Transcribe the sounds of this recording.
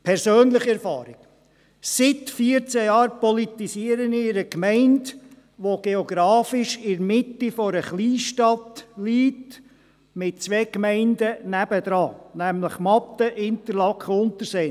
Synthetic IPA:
pʰɛɾsøːnləχiɛɾfɑːɾɪk | sɪtfiəɾt͡sɛjɑːɾpɔlit̪isiːəɾənɪɾəkmɛɪnd | ʋoɡ̥eoɡɾɑːfɪʃɪɾmɪtifɔɾəχliːʃtɑt̪liːt | mɪt̚t͡sʋeːkmɛɪndənæb̥əd̪ɾɑːnæmləχmɑt̪əʔɪnt̪əɾlɑkχəʊnt̪əseː

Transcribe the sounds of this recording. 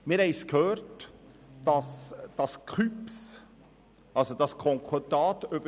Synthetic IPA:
mɪɾhɛɪskhøːɾt | d̥ɑsd̥ɑskχyps | ɑlsod̥ɑskʰɔŋkʰɔdɑːt̪øbə

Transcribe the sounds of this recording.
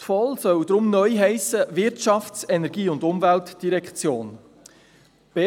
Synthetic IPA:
tfɔlsœwd̥ɾʊmnœʏɦɛɪsəvɪɾtʃɑft͡sɛnɛɾɡiːʊndʊmvæltd̥iɾɛkχt͡sjoːn | b̥e

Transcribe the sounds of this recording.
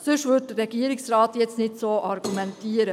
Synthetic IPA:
sʉʂʋʉʈɾɛɡiːɾɪksɾɑːt̪jɛt̪snɪt̪soːʔɑɾɡumɛnt̪ʰiːɾə

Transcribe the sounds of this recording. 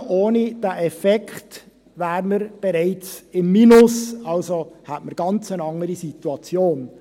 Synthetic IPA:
oːnid̥æːʔɛfɛkχt | ʋæːɾməɾb̥ɛɾɛɪt͡sɪmːinʊsɑlsohætməɾɡ̥ɑnt͡sənɑŋːəɾisituɑt͡sjoːn

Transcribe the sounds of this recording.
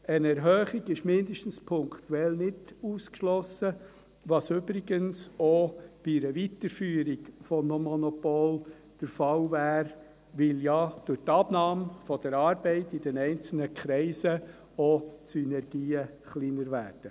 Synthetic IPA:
ənɛɾɦœːχiɡɪʃmɪndəʃtən̩spʰʊŋkt̪uɛlnɪduːskʃlɔsə | ʋɑsʏbɾiɡənsob̥iɾəvitəɾfyːɾikfɔmomɔnɔpol | d̥əɾfɑlvæːɾ | ʋɪljɑd̥ʊtɑbnɑːmfɔd̥əɾɑːɾbɛɪtɪd̥ɛnɛɪnt͡sl̩nəkʰɾɛɪsə | osynɛɾɡ̥iːəχliːnəɾʋæːɾd̥ə

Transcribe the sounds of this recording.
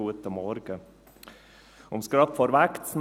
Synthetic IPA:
uːət̪əmɔɾɡə | ʊmskɾɑpfɔɾʋækt̪sn

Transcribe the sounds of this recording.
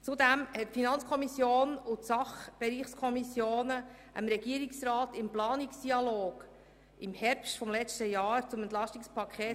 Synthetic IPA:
t͡sud̪æmhɛtfinɑnt͡skʰɔmisjoːnʊtsɑχb̥ɛɾiːχskʰɔmisjoːnə | ʔəmɾɛɡiəɾiksɾɑːtɪmplɑːniksd̥iɑloːɡ̥ | ɪmhɛɾpstfɔmlɛt͡stəjɑːɾt͡sʊmɛnt̪lɑʃtikspʰɑkʰɛː

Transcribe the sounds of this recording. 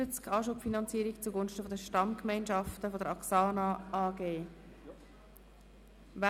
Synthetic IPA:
ət͡skʰɑːʃupfinɑnt͡siːəɾikt͡suɡonʃtəfodəʃtɑmkmɛɪnʃɑftəfodəɾɑksɑːnɑɑːɡeː | ʋa

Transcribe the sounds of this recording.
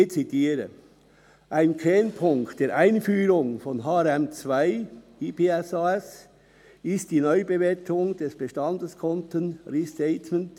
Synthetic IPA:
et͡sidiːɾə̰ | ʔaɪnkʰɛnpʰʊŋkt̚d̥eːɐɾʔaɪnfyːɾʊŋfɔnɦaːɛɾɛmt͡svaɪiːpeːɛsaɛs | ɪst̚d̥iːnɔʏbeveːtʰʊŋd̥ɛsb̥əʃtɑndəskʰɔntənɾistɛɪtmənt

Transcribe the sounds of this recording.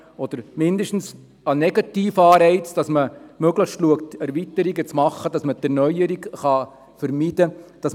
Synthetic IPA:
ɔd̥̪əɾmɪnd̪əʃtn̩s | ɑnɛɡɑtiːfɑːɾɛɪt͡sd̥ɑsməmøɡləχʃtluəktɛɾvitəɾiɡət͡smɑχːəd̥ɑsmət̪ɛɾnœjəɾikχɑ | fəɾmid̥əd̥ɑs

